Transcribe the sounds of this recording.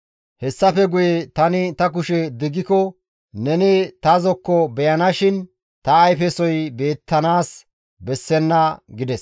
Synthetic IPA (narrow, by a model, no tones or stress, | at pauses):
hɛsːɐfɛɡʊjet̪ɐnɪt̪ɐk̬ʊʃɛd̪ɪɡɪkɔ | nɛnɪt̪ɐzɔkːɔbɛjɐnɐʃɪn | t̪ɐːjfɛsɔjbe̞ːt̪ːɐnaːs | bɛsːɛnːɐɡɪd̪ɛs